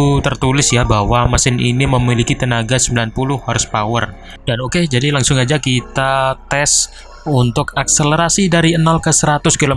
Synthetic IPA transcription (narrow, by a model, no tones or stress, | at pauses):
t̪ərt̪ulɪsjabawamasɪnḭniməmilikit̪ənaɡasəmbilanpulʊhhɔrspawər | d̥anoked͡ʒadilaŋsʊŋad͡ʒakit̪at̪ɛs | unt̪ʊkak̚sələɾasidaɾiənalkəsəɾat̪ʊskilo